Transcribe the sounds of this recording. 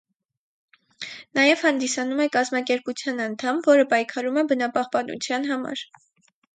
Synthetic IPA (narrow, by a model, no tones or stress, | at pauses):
nɑjɛv̥hɑnd̪isɑnumɛkɑzmɑkɛɾput͡sʰjɑnɑnt̪ʰɑmvɔɾəpɑjkʰɑɾumɛbənɑpɑhpɑnṵt͡sʰjɑnɦɑmɑ̰ɾ